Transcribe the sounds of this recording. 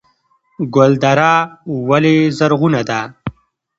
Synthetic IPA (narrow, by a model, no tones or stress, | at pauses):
ɡold̪aɾawalezaɾɣunad̪a